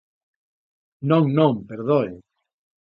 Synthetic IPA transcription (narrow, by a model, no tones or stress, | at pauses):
nõŋnõŋpeɾðoe